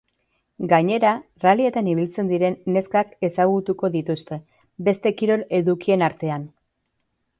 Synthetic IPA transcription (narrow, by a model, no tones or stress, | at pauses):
ɡaɲe̞ɾaralie̞t̪aniβ̞ilt͡se̞nd̪iɾe̞nːe̞skake̞saɣ̞ut̪uko̞ðit̪ust̪e̞ | be̞st̪e̞kiɾo̞le̞ðukie̞naɾt̪e̞an